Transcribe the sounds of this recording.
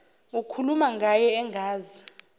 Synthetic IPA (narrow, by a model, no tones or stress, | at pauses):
ukʰulumaŋɡʱajɛɛŋɡʱaːzi